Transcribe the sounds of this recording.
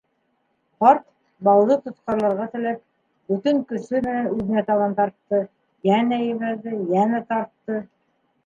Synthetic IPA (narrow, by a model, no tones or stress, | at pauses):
qɑɾt̪ | bɑlːˠɤt̪ŏt̪qɑɾlˠɑɾʁɑt̪ɘ̆læp̚ | bɵt̪ɘŋkɵ̆sɵmɘ̆nænʉðɘ̆næt̪ɑβɑnt̪ɑɾt̪ːɤ | jænæjɘ̆βælðɘjænæt̪ɑɾt̪ːɤ